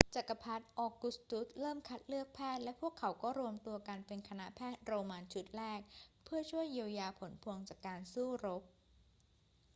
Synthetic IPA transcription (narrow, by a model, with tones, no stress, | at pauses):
t͡ɕa˨˩kːa˧pʰa˦˥t̪̚ʔɔː˨˩kːu˨˩st̪u˦˥t̪̚ɾɤː˥˩mkʰa˦˥t̪̚lɯ˥˩ək̚pʰɛː˥˩t̪̚lɛ˦˥pʰu˥˩əkʰːa˩˦wkɔː˥˩ɾu˧əmt̪u˧ɐka˧npe˧nkʰa˧na˦˥pʰɛː˥˩t̪̚ɾoː˧maː˧nt͡ɕʰu˦˥t̪̚ɾɛː˥˩k̚pʰɯ˥˩ɐt͡ɕʰu˥˩əjːiː˧əwjaː˧pʰo˩˦npʰu˧əŋt͡ɕaː˨˩kːaː˧nsuː˥˩ɾo˦˥p̚